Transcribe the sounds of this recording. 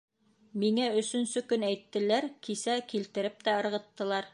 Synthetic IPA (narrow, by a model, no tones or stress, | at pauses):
miŋæɵ̆sɵ̆nsɵkɵnæjt̪ːɘ̆læɾkisækilt̪ɘ̆ɾɘp̚t̪æɤ̆ɾʁɤ̆t̪ːɤ̆lˠɑɾ